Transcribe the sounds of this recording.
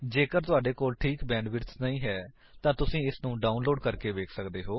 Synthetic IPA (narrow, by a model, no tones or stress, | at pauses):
d͡ʒeːkəɾt̪ʊaːɖeːkoːlʈʰiːkbɛ̃ːɳɖʋɪɾsnəĩːɦɛː | t̪ãːt̪ʊsĩːɪsnũːɖaːʊnloːɖkəɾkeːʋeːkʰsəkd̪eːɦoː